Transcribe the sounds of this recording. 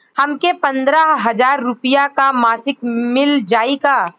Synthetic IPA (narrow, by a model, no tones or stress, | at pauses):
hɐmkepɐ̃nd̪ɾaɦɐd͡ʒaːɾːʊpijakamaːsɪkmɪld͡ʒaːikaː